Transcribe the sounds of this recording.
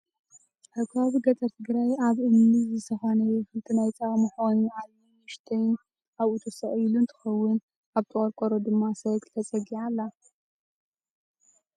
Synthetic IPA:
ħɨkaβiɡɐt͡s̪ʼɐɾt̪ʰɨɡɾajaβʔɨmnɨzɨsʰɐxanɐjɛxɨlt̪ʰʼɨnajt̪ʰʼamɨħonːʕalmi | ɨʃt̪ʰɐjn | aβut̪ʰosɐʔʼjilunt̪ʰɨ̥xɐwːʊn | aβt̪ʼɨχʼɐɾkʷʼoɾod̪ɨmːasɐɡt̪ʰɐt͡sʼɐɡiʕalːa

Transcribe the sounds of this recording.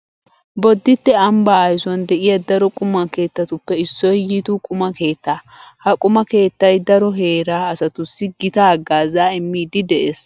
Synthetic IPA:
bɔd̪ːɪt̪ːɛɐmbaːɐjsʊwɐnd̪ɛʔɪjɐd̪ɐɾɔkʼʊmːɐke̞ːt̪ːɐt̪ʊpːɛɪsːɔjjit̪uːkʼʊmɐke̞ːt̪ːaː | hɐkʼʊmɐke̞ːt̪ːɐjd̪ɐɾɔɦe̞ːɾaːɐsɐt̪ʊsːɪɡɪt̪aːɡaːzaːɪmːiːd̪ɪd̪ɛʔeːs

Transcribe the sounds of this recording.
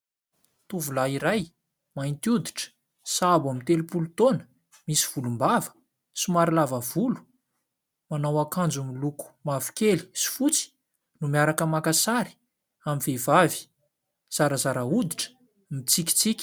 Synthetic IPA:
t̪uvulaiɾaj | maint̪jud̪iʈ͡ʂə̥ | sabamit̪elupulut̪onə̥ | misi̥v̥ulumbavə̥ | simaɾilavəvulu̥ | manawakand͡zumiluku̥mavi̥keli̥si̥fut͡si̥ | numiaɾakəmakasaɾi̥ | amivevavi̥ | z̥aɾəzaɾaud̪iʈ͡ʂə̥ | mit͡sikʲi̥t͡sikʲi̥

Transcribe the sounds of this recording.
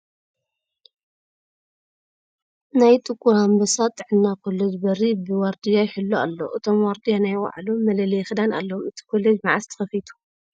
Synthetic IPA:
najt̪ʼɨkʼːuɾambɐsat̪ʼːɨʕɨnːakʰo̞led͡ʒbɐɾibɨwaɾd̪ijajħɨlːua̰lːo̰ʔɨt̪ʰo̞mwaɾd̪ijanajwa̰ʕlumːɐlɐlɐjxɨd̪ana̰lːɐomɨt̪ʰi̥kʰo̞led͡ʒmaʕast̪ʰɨ̥xɐfit̪ʰu̥

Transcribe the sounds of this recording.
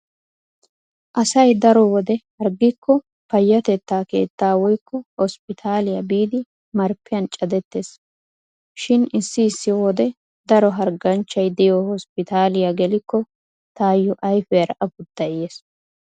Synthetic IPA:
ʔɐsɐjd̪ɐɾɔwɔd̪ɛhɐɾɡɪkːɔ | pɐjːɐt̪ɛt̪ːaːke̞̰ːt̪ːaːwɔjkːɔhɔspɪt̪ʰaːlɪjɐbiːd̪ɪ | mɐɾpːɪjɐnt͡ʃʼɐd̪ɛt̪ːe̞ːs | ʃɪnɪsːɪːsːɪwɔd̪ɛ | d̪ɐɾɔɦɐɾɡɐnt͡ʃːɐjd̪ɛjɔhɔspɪt̪aːlɪjaɡɛlɪkːɔ | t̪aːjːɔʔɐjfɛjɐɾɐʔɐfʊd̪ːɐjeːs

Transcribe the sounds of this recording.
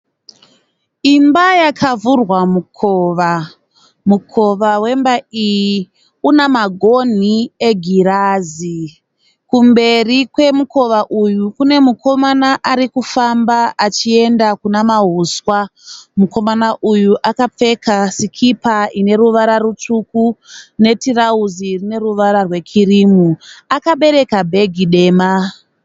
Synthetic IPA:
imbajakʰavurwamukʰoːʋa | mukʰo̞ʋawe̞mbaiji | unamaɡʱo̞n̤ieɡʱiɾaːzi | kumbe̞rikwe̞muko̞ʋaʔujukune̞mukʰo̞manaʔaɾikufambaːt͡ʃie̞ndakunamaɦuswamuko̞manaʔujuʔakap͡fe̞kasikʰipaʔine̞ɾuʋaɾarut͡ʂukune̞tirauzirine̞ɾuʋaɾarwe̞kʰirimuakaɓe̞ɾe̞kabʱe̞ɡʱiɗe̞ːma

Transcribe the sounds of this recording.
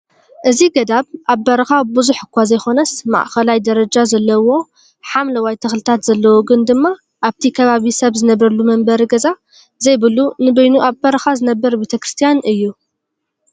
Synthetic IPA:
ʔɨziɡɐd̪aβʔaβːɐɾɐxabɨzuħɨkʷːazɐjxo̞nɐsma̰ʔxɐlajd̪ɐɾɐd͡ʒazɐlːɐwo̞ | ħamlɐwajt̪ʰɨxlɨt̪ʰat̪z̥ɐlːɐwoɡɨnd̪ɨmːa | ʔaβt̪ʰikʰɐβaβisɐβzɨnɐβɾɐlumɐmbɐɾɡɐza | zɐjbɨlunɨbɐjnuʔaβbɐɾɐxazɨnɐbːɐɾbet̪ʰɐkɾɨst̪ʰijanɨjːu

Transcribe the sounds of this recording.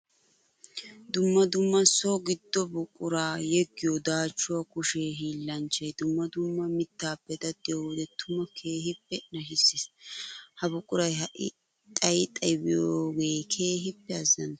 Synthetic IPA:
d̪ʊmːɐd̪ʊmːɐsoɡɪd̪ːɔbʊkʼːʊɾaːjɛɡːɪjɔd̪aːt͡ʃːʊwɐkʊʃeːɦiːlːɐnt͡ʃːɐjd̪ʊmːɐd̪ʊmːɐmɪt̪ːaːpːɛt̪ɐd̪ɛjod̪ɛt̪ʰːʊmɐkʰe̞ːɦɪpːɛnɐʃɪsːɪshɐbʊkʼːʊɾɐjhɐʔɪ | t̪ʼɐjɪt̪ʼɐjbɪjoːɡejkʰe̞ːɦɪpːɛɐzːɐ̰n

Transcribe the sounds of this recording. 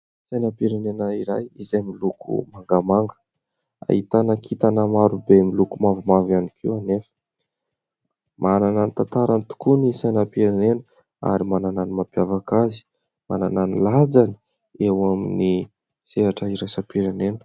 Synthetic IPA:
sajnapiɾenenaiɾajizajmilukṵmaŋɡamaŋɡə̥ | a̰it̪anakʰit̪anəmaɾubemilukumavumavanikʰiwanefə̥ | mʔanananit̪ant̪aɾant̪u̥kunisajnapiɾenenə | a̰ɾimanananimapjavakazi̥ | ma̰nananilad͡zani̥ | ewamini | z̥eɦaʈ͡ʂəiɾajsapiɾenenə̥

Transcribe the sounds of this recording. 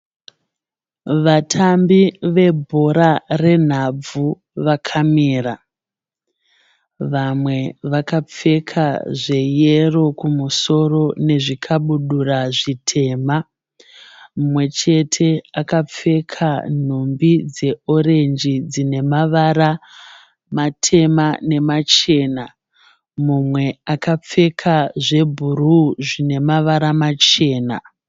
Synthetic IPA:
ʋatʰambiʋe̞bʱo̞ɾare̞n̤ab͡vu | ʋakʰamiːra | ʋamwe̞ʋakap͡fe̞kʰaʐe̞je̞ro̞kumuso̞ro̞ne̞ʐikʰaɓuɗuraʐitʰe̞ːma | mumwe̞t͡ʃe̞tʰe̞akap͡fe̞kʰan̤umbid͡ze̞o̞re̞nd͡ʒid͡zine̞maʋaɾa | matʰe̞mane̞mat͡ʃe̞ːna | mumwe̞akap͡fe̞kʰaʐe̞bʱuɾuʐine̞maʋaɾamat͡ʃe̞ːna

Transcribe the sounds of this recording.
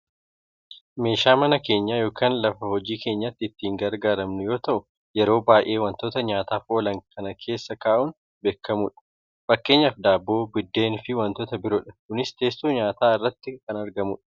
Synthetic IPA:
me̞ːʃaːmɐnɐke̞ːɲːaːjo̞ːkʰaːnlɐfɐhɔd͡ʒiːke̞ːɲːat̪ːɪɪt̪ːiːŋɡɐɾɡaːɾɐmnʊjo̞ːt̪ɐʔʊ | jɛɾo̞ːbaːʔe̞ːwɐnt̪oːt̪ɐɲaːt̪aːfoːlɐŋkʰɐnɐkʰe̞ːsːɐkaːʔʊn | be̞ːkʰːɐmuːᶑɐ̥ | fɐkːe̞ːɲːɐfd̪aːbːo̞ːbɪd̪ːe̞ːnfɪwɐnt̪oːt̪ɐbɪɾoːᶑɐkʊnɪst̪eːst̪oːɲaːt̪aːɪrːɐt̪ːɪkɐnɐɾɡɐmuːᶑɐ̥

